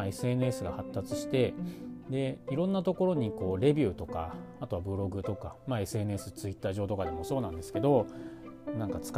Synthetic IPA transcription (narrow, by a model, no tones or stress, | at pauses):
e̞sɨe̞nɯ̟e̞sɨɡa̰hat̪ːat͡sɨ̥ɕi̥t̪e̞d̪e̞iɾõ̞nːat̪o̞ko̞ɾo̞ɲ̟iko̞ːɾe̞bʲɯ̟ːt̪o̞ka̰at̪o̞βabɯ̟ɾo̞ɡɯ̟t̪o̞kamae̞sɨe̞nɯ̟e̞sɨt͡sɨit̪ːaːʑo̞ːt̪o̞kad̪e̞mo̞so̞ːnãnd̪e̞sɨ̥ke̞d̪o̞ | nãŋkat͡sɨ̥k